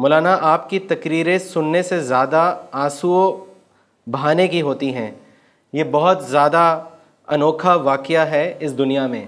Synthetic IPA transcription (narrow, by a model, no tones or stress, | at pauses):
mɔːlaːnaʔaːp̚kit̪ɐkɾiːɾẽsʊnːesezjaːd̪aaːsuo | baːnekiɦoːt̪iɦɛ̃ː | jebɐɦʊt̪zjaːd̪a | ɐnɔːkʰaʋaːkɪjaɦɛɪsd̪ʊnijamẽː